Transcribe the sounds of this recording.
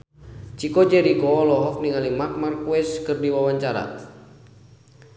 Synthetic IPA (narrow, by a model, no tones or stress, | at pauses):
t͡ʃikɔd͡ʒɛɾikɔlɔɦɔk̚niŋalimak̚markuɛskɨrdiwawaɲt͡ʃaɾa̰